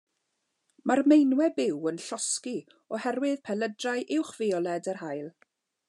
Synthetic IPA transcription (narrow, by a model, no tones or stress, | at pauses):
marmejnwɛbɪwənɬɔski | ɔhɛrwɨð̥pʰɛlədrajʔɪwχv̥eːɔlˠɛdərhajlˠ